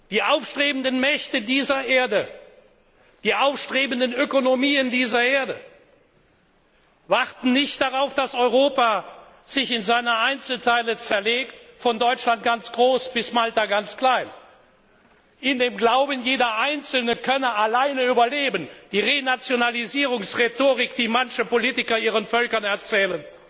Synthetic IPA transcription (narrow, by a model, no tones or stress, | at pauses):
d̥iːʔaʊfʃtʁ̥eːbən̩dənmɛçtədiːzɐʔeːɐdə | d̥iːʔaʊfʃtʁ̥eːbən̩dənøkonomiːəndiːzɐʔeːɐdə | vaʁtn̩nɪçtd̥aʁaʊfd̥asɔʏʁ̞oːpa | z̥ɪçɪnzaɪnɐʔaɪnt͡sl̩tʰaɪlət͡sɛɐleːktfɔndɔʏt͡ʃlant̚ɡ̥ant͡sɡ̥ʁoːsb̥ɪsmaltaɡant͡skl̥aɪn | ʔɪndeːmɡlaʊbənjeːdɐʔaɪnt͡sl̩nəkʰœnəalaɪnəyːbɐleːbənd̥iːʁenat͡sjonaliziːʁʊŋsʁetoːʁɪkd̥iːmançəpoliːtɪkɐiːʁ̞ənfœlkɐnɛɐt͡sɛːlən